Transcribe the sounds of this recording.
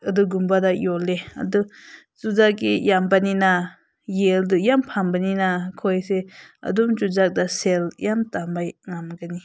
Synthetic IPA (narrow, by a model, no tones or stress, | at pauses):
ɐduɡumbadajɔleɐ̰du | zuzakɡijambanina | jeldujampʰambaninakʰɔjseɐ̰dumzuzak̚daseljamtambajŋamɡani